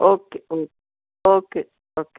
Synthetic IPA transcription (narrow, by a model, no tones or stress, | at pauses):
okeo | oke | ok